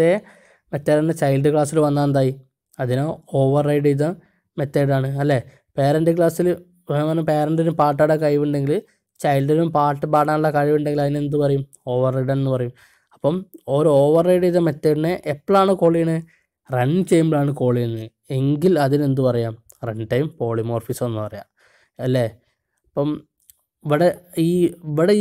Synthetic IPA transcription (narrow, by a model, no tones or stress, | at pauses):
e | met̪ːeːɐnet͡ɕɐjlɖɨkɭaːsilʋɐnːaːnd̪aːji | ɐðinoo̞ːʋɐrːɐjɖiðɐ | met̪ːejɽaːɳɨɐlːe | peːɾɐɳdɨk̬ɭaːsil | ʋɐnːɐpeːɾɐɳɖinumpaːʈːaɽɐkɐɻjʋuɳɖe̞ŋɡil | t͡ɕɐjlɖinumpaːʈːɨpaːɽaːnuɭːɐkɐɻiʋuɳɖeŋɡiɐðine̞nd̪upɐrɐjum | o̞ːʋɐrːɐjɖːnenːɨpɐrɐjum | ɐpːɐmoɾuo̞ːʋɐrːejɽiðɐmet̪ːɐnːeʔepːɭaːɳɨko̞ːɭijɐɳɨ | reɳːt͡ɕejmbɭaːɳɨko̞ːɭijenːɨ | eŋɡilɐðine̞nd̪upɐrɐjaːm | reɳɖʈɐjmpo̞ːɭiumo̞ːrfisonːɨpɐrɐja̰ːm | ɐlːe | ɐpːɐm | iʋiɽeiːiʋiɽe